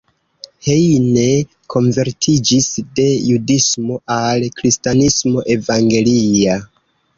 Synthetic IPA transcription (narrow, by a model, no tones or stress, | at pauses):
hejne̞ | kʰo̞ɱve̞ɾtʰid͡ʒisde̞judismo̞ʔalkɾistanismo̞ʔe̞vaŋɡe̞lia